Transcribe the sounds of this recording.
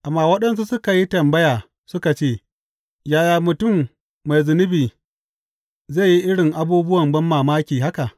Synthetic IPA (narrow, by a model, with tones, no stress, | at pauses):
ʔa˨mːaː˨wɐ˦ɗɐ˦ns̬u˦sʊ˦ka˨ji˦tɐ˨mbɐ˦jaː˨ | sʊ˦ka˨t͡ʃeː˦˨ | jaː˦˨jaː˨mʊ˨tʊ˦˨mː | a˨jzʊ˨nɪ˦biː˨ | za˦˨ji˦ʔɪ˦ɽɪ˨ŋʔa˦buː˦bʊ˦wɐ˨mbɐ˦mːaː˨maː˦kʲiː˨ɦa˦ka˨ʔ